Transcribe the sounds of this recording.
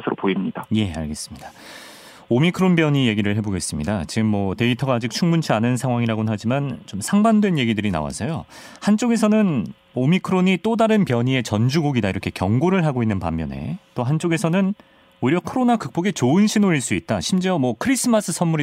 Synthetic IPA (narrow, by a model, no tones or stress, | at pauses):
sʰɯɾopoimɲidaje̞a̰ɭɡe̞s͈ɯ̥mɲida | omikʰɯɾonbjʌɲije̞ɡiɾɯɭɦe̞boɡe̞s͈ɯmɲidat͡ɕiɡɯmːʌte̞itʰʌɡaːd͡ʑik̚t͡ɕʰuŋmunt͡ɕʰianɯnsʰaŋwaŋiɾaɡonnɦad͡ʑimant͡ɕomsʰaŋbandwe̞nje̞ɡidɯɾina̰wa̰s͈ʰʌjo | hant͡ɕ͈oɡe̞s̬ʰʌnɯn | omikʰɯɾoɲit͈odaɾɯnpjʌɲie̞t͡ɕʌnd͡ʑuɡoɡidaiɾʌkʰe̞kjʌŋɡoɾɯɭɦaɡoinːɯnpa̰mːjʌ̰ne̞̰t͈oɦant͡ɕ͈oɡe̞sʰʌnɯn | oiɾjʌkʰoɾonakɯk̚p͈oɡe̞t͡ɕoɯnɕʰinoiɭs͈uit̚t͈aɕʰimd͡ʑiʌmwʌkʰɯɾis͈ɯmas͈ʰɯsʰʌnmuɾi